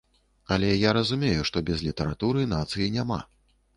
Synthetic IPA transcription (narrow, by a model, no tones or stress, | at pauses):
ɐlʲɛjaɾɐzumʲejuʂt̪ɔbʲɛzlʲit̪ɐɾat̪uɾɨnat̪sɨjinʲama̰